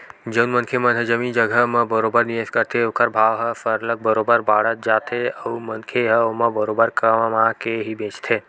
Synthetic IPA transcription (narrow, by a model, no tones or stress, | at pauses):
d͡ʒəʊnmənkʰemənɦəd͡ʒəmid͡ʒəɡʱəɦmə̃bəɾobəɾniəskəɾt̪ʰeokəɾbʱaːʋɦəpʰəɾlək̚bəɾobəɾbaɽət̪̚d͡ʒat̪ʰeəumənkʰeɦəoməbəɾobəɾkəmmãkeɦibẽt͡ʃt̪ʰeː